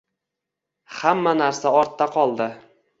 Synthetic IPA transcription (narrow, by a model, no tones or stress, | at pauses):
hamːanaɾsaɒɾt̪ːaqʰɒlˠd̪ɪ